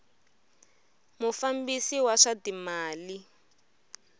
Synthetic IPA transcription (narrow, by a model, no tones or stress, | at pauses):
mufambisiwaʂatimaːli